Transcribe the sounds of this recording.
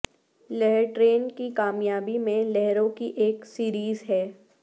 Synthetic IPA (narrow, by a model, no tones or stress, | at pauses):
lɛɦɾʈɾeːnkikaːmjaːbimẽlɛɦɾõkiʔeːksiːɾiːzɦɛː